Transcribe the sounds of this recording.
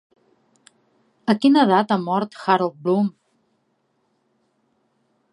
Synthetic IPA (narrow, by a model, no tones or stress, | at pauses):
əkinəðat̪amɔɾt̪xaɾəlˠt̪̚blum